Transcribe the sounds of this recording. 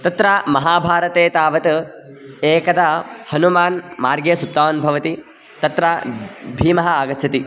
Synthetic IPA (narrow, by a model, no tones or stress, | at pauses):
t̪ɐt̪ɾaːmɐɦaːbʱaːɾɐt̪eːt̪aːʋɐt̪ | eːkɐd̪ahɐnumaːnmaːɾɡeːsut̪ːaːnbʱɐʋɐt̪i | t̪ɐt̪ɾabʱiːmɐɦɐaːɡɐt̪ːt͡ʃʰɐt̪i